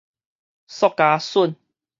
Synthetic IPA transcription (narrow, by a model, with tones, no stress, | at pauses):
sɔ˥˧kːa˧su˥˨n